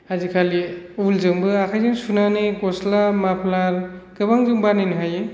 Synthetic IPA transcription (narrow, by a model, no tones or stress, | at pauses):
azikʰaliulzɯŋbɯakʰajzɯŋsunanɯjɡɔslamapʰlaɾkɯbaŋɡɯŋbanɯjnɯɦajɯ